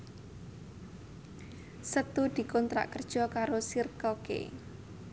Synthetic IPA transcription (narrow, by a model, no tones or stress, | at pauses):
sət̪ud̪̥i̤kɔnt̪ɾa̰ʔkərd̥ʒ̥ɔ̤kaɾosirkɔkḛ